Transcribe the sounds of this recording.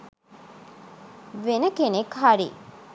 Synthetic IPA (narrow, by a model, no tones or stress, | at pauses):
ʋenəkenekɦaɾḭ